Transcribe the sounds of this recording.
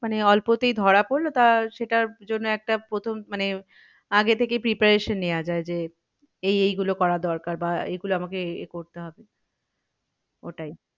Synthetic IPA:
maneɔlpot̪ejd̪ʱɔɽapoɾlot̪aʃeʈaɾd͡ʑonːoɛk̚ʈapɾot̪ʰommane | aɡet̪ʰekepɾipaɾeʃonːejad͡ʑaed͡ʑe | ejejɡulokɔɾad̪ɔɾkaɾbaḛɡuloamakekoɾt̪eɦɔbe | o̰ʈaj

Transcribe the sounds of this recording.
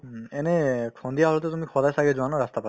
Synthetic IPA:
ɛnɛkʰɔndiaɦɔlɔt̪ɛt̬umikʰɔdajsaɡɛzuanɔɹast̪apa

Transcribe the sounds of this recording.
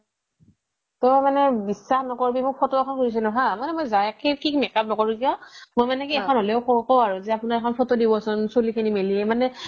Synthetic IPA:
tɔmanɛbisːaxnɔkoɹbimʊk̚pʰɔtɔɛkʰɔnkuɹis̬ɛnʊɦamanɛmojzajakʰekikmɛkap̚nɔkɔɹikiɔmojmanɛkiɛkʰɔnɦolɛʊkɔkɔwaɹuzɛapʊnaɹɛkʰɔnpʰɔtɔdibɔsɔnsolikʰinimeliɛmanɛ

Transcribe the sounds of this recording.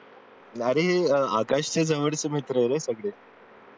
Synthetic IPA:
aɾeɦea̰kaɕt͡sed͡zaʋəɽt͡səmit̪ɾəjɾesəɡɭe

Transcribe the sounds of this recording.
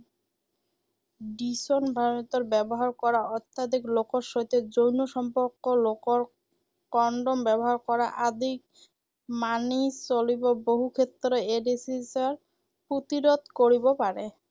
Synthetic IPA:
ɖisonbʱamot̪oɾbɛboɦaɾkɔɾaɔt̪ːad̪ʱiklokoɾʃojt̪ed͡ʑojnoʃɔmpoɾkːolokoɾ | kɔɳɖombɛboɦaɾkɔɾaʔad̪ʱik̚ | manit͡ɕoliboboɦukʰet̪ːɾeeɖisisaɾ | pɾot̪iɾod̪ʱkoɾibopaɾe

